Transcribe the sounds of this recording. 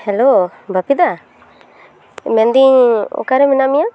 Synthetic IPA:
hɛlo | bʱapid̪a | mɛnd̪iɲɔ̰kaɾɛminamija

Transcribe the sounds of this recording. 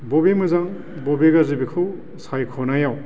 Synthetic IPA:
bobemɯzaŋ | bobeɡazibikʰɯw | sajkʰɔnajaw

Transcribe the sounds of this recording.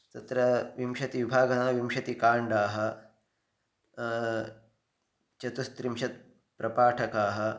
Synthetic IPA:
t̪ɐt̪ɾɐʋimʃɐt̪iʋibʱaːɡɐnaːʋimɕɐt̪ikaːɳɖaːɦɐ̆ | t͡ʃɐt̪ust̪ɾimɕɐt̪̚ | pɾɐpaːʈʰɐkaːɦɐ̆

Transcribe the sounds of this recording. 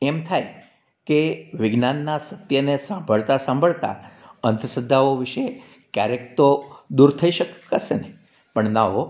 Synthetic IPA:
emt̪ʰaj | keʋɪɡnanːasət̪jənesãmbʱəɭt̪asãmbʱəɭt̪a̰ənt̪əsəd̪ʱːaoʋɪʃe | kjaɾekt̪od̪uɾt̪ʰəiʃəkːasene | pəɳnaɦo

